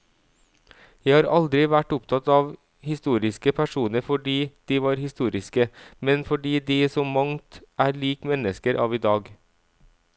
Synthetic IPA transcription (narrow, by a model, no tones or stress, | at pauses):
jæɪhɑːɾɑld̪ɾɪʋæʈʊpt̪ʰɑt̪ɑːʋ | hɪst̪uːɾɪskəpʰæʃuːnəɾfɔɖiːd̪̥iːʋɑːɾhɪst̪uːɾɪskəmɛnfɔɖiːd̪iːsɔmmɑŋt̪ʔæːɾɭiːkmɛnəskəɾʔɑ̰ːʋiːd̪ɑːɡ